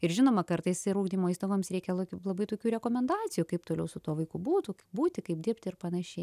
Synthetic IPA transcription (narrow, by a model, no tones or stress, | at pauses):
ɪrʒʲɪnoːmɐkɐɾt̪ɐɪsɪɾuːɡd̪ʲiːmoːist̪oɡoːmsɾʲɛɪkʲɛlˠoːkʲulˠɐbɐɪt̪oːkʲuːɾʲɛkoːmʲɛnd̪ɑːt͡sʲɪjuːkɐɪpt̪oːlʲɛʊsʊt̪uɔʋɐɪkubuːt̪ʊkɪbuːt̪ʲɪkɐɪp̚d̪ʲɪɾpʲt̪ʲɪrpɐnɐʃʲɛɪ